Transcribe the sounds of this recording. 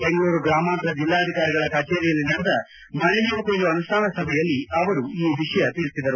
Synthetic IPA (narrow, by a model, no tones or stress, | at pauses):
beŋɡɐɭuːɾuɡɾaːmaːnt̪ɾɐd͡ʒilːaːɐd̪ʱikaːɾiɡɐɭɐkɐt͡ʃeːɾijɐlːinɐnd̪ɐ | mɐnɛjuːk̪end̪uɐnuʂʈʰaːnɐsɐbʱɛjɐlːiɐʋɐɾuiːʋiʂɐjɐt̪iɭisid̪ɐɾu